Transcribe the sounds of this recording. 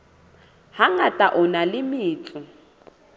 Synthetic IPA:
haŋatʼaʔʊnalɪmɪːt͡ɬʼʊ

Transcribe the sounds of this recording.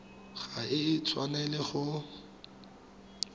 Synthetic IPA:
χaɪt͡sʰwanɛlɪχʊ

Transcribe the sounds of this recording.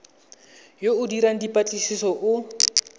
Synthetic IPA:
joʊdiɾaŋ̩dipʼat͡ɬʼisisɔʔʊ

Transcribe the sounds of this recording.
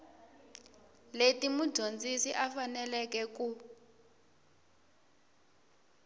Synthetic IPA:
letimud̥ʒʱond͡zʱisiʔafanɛlɛkɛku

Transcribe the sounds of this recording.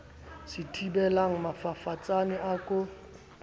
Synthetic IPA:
sɪtʰibɛlaŋ̩mafafat͡sʼanɪʔakʼʊ

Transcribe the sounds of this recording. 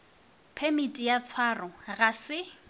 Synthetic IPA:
pʰemitʼijat͡sʰwarʊɣasɪ

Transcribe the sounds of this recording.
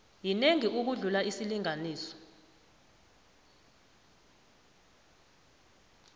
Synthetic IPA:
jineŋiʔuk̬uɮulaisiliŋaniːsɔ̥

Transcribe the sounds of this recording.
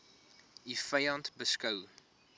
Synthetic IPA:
ifɐjɐntbəskɐw

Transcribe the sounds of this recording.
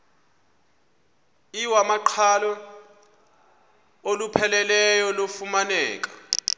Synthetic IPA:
iwamaǃʰalɔ | olupʰɛlɛlɛjɔlofumanɛ̰ːk̬ʼḁ

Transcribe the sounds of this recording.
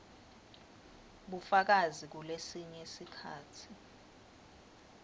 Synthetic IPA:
ɓufak̬azik̬ulesiɲɛesikʰa̰ːtʰi

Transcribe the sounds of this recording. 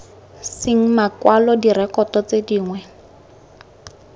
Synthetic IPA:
sɪŋ̩makwalɔdirɛkʼɔtɔt͡sediːŋwɛ

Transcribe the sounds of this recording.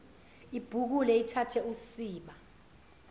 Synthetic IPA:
ib̥ʱuk̬ulɛitʰatʰɛusiːɓa

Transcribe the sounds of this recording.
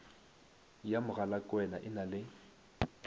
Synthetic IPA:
jamʊɣalakʼwɛnaʔɪnalɪ

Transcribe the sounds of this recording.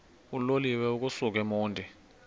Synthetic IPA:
uloliwɛuk̬ʼusuk̬ɛmuːndʱi

